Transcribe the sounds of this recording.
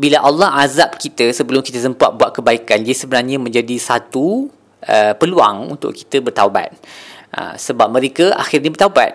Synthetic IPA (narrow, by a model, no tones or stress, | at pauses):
bilaʔalːɔhazap̚kit̪əsəbəlʊmkit̪əsəmpua̰ʔ̪̚buaʔ̪̚kəbaikand͡ʒaisəbənarɲãmə̃ɲd͡ʒadisat̪u | əpəlua̰ŋṵnt̪ʊ̰ʔki̥t̪əbərt̪awba̰t̪̚ʔə̰səbap̚mə̃ɾekəʔa̰xɪrɲabərt̪aba̰t̪̚